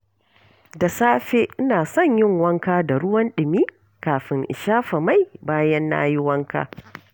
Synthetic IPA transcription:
da˨saː˦ɸeː˦ʔɪ˦naː˨sɐ˦˨ɲjɪ˦ŋwɐ˦ŋkaː˦da˨ɽʊ˦wɐ˦nɗɪ˨miː˦ | kaː˨ɸɪ˨ŋʔɪ̰˨ʃaː˦ɸa˨ma˦˨jbaː˦jɐ˦nːa̰ː˦jɪ˦wɐ˦ŋka̰ː˦

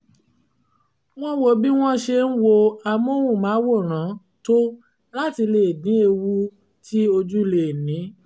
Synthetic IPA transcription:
w̃ɔ̃˦wo˧bi˦w̃ɔ̃˦ʃe˧n̩˦wo˧a˧mo˦wũ˦˨mãː˨˦wo˦˨ɾ̃ã˨˦ | to˦ | la˦ti˧le˨dĩ˦e˧wu˦ | ti˦o˧d͡ʒu˦˧le˨nĩ˨˦

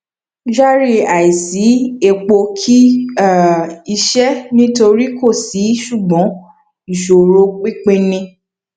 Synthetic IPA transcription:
d͡ʒa˦ɾi˦˨a˨i˨si˨˦e˧k͡po˧kʰi˦˨ | i˧ʃɛ˦nĩ˦to˧ɾi˦ko˦˨si˨˦ʃu˦˨ɡ͡bɔ̃˨˦ | i˦˨ʃo˨ɾo˧k͡pi˦k͡pẽ˧nĩ˧

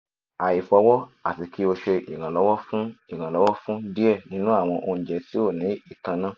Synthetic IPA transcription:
a˨i˨fɔ˧wɔ˦a̰˨ti˨ki˦o˧ʃe˧ʔḭ˨ɾ̃ã˨lɔ˨˦wɔ˦fũ˦i˦˨ɾ̃ã˨lɔ˨˦wɔ˦fũ˦di˦ɛ˦˨nĩ˨˦nũ˦a˦˨w̃ɔ̃˧ʔo˧ñ̩˨d͡ʒɛ˨si˦o˦˨nĩ˨˦i˦˨kã˧nã˦˨

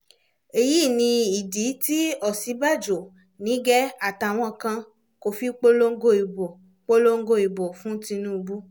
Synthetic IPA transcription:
e˨ji˦˨nĩ˧i˨di˨˦ti˦ɔ˦˨si˨˦ba˦˨d͡ʒo˨ | nĩ˨˦ɡɛ˦a˦˨ta˨w̃ɔ̃˧kã˧ | ko˨fi˦k͡po˦lo˦ŋ̩˦ɡo˦˨i˨bo˨ | k͡po˦lo˦ŋ̩˦ɡo˦˨i˨bo˨fũ˦tĩ˧nũ˦˧bu˦

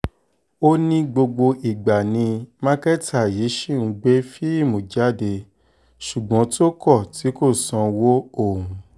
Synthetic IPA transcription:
o˦nĩ˧˦ɡ͡bo˧ɡ͡bo˧ʔi˨ɡ͡ba˨nĩ˧mã˦kɛ˦tʰa˦˨ji˨˦ʃi˦˨nũ˧ɡ͡be˦fi˦i˦˨mõ˨d͡ʒa˨˦˨de˧ | ʃu˨ɡ͡bɔ̃˨˦to˦kɔ˦˨ti˨˦ko˦˨sã˨˧wo˦o˦˨ũ˨˧˦

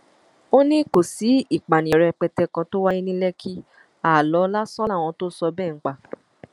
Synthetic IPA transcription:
o˦nĩ˦ko˨si˨˦i˨k͡pa˨nĩ˨ɛ˨ɾɛ˧k͡pɛ˧tɛ˧kã˧to˦wa˦ji˦nĩ˦lɛ˦kʰi˦ | a˦˨lɔ˨˦la˦sɔ˦la˦˨w̃ɔ̃˧to˦sɔ˧bɛː˦˨ŋ̩˦k͡pa˧˨

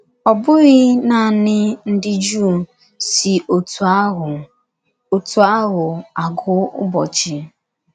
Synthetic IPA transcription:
ɔ˨bʊ˦ɣɪ˦na˨nɪ˦n̩˦dɪ˦d͡ʒu˦˨ | si˨ʔo˨tu˨a˦ɦ | o˨tu˨a˦ɦʊ˨a˨ɡʊ˦ʊ̰˦bɔ˨t͡ʃɪ˨

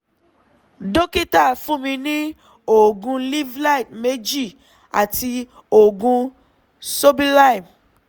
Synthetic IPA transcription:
do˦ki˦ta˦˨fũ˦mĩ˧nĩ˦ | o˨ɡũ˧li˦vla˦i˨t̚me˦d͡ʒi˦˨ | a̰˨ti˧ | o˨ɡũ˧ | so˦bi˦la˦i˨m

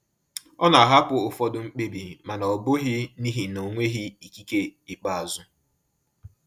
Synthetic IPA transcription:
ɔ˦na˨a˨ɦa˦pʊ˨ʊ˨fɔ˦dʊ˨ŋ͡m̩˦k͡pe˦bi˨ma˨nɔ˨ɔ˨bʊ˦ɦɪ˦ni˦ɦi˨no˨ŋʷe˦ɦi˦i˨ki˦ke˦ɪ˨k͡pa˦a˨zʊ˦

